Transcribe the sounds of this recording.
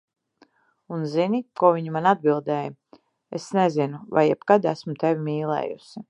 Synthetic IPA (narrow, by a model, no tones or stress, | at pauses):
unzinikuɔvʲiɲumanad̪̚bilˠd̪ɛːj | esnezinuva̰jɛbkad̪æsmut̪evʲimiːlˠɛ̰ːjṵsi